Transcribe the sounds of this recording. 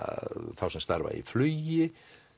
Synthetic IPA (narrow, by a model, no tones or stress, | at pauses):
aθawsɛmst̪aɾva̰ḭflʏːjɪ